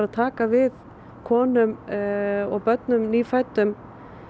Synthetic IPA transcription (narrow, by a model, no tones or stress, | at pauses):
aðt̪ʰaːkavɪð | kʰɔːnʏm | ɔɣpœt̪nʏmniːfat̪ʏm